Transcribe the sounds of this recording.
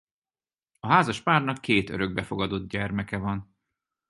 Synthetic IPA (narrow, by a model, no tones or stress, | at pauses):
ɒɦaːzɒʃpaːrnɒkːeːt̪ø̰ɾøɡ̚bɛfo̞ɡɒd̪o̞d̪̚ɟɛrmɛkɛvɒn